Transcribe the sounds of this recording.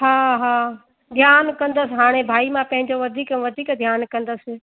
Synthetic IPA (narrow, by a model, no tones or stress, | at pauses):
ɦaːɦaː | d̪ʱjaːnkɐ̃nd̪əsɦaːɽ̃ebʱaːimãpɐ̃ɦɪ̃ɲd͡ʑoʋɐd̪ʱiːkɛ̃ʋɐd̪ʱiːkd̪ʱjaːnkɐ̃nd̪əsɪ